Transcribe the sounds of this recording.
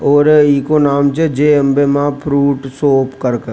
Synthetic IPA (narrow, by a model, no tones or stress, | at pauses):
ɔːɾiːkonaːmt͡ʃəd͡ʒeːəmbemãpʰɾuːʈsoːpkəɾkə